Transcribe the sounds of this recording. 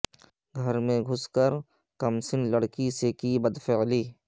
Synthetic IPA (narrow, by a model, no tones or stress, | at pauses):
ɡʱəɾmẽɡʱʊskəɾ | kɐmsɪnləɽkisekiːbəd̪fɪliː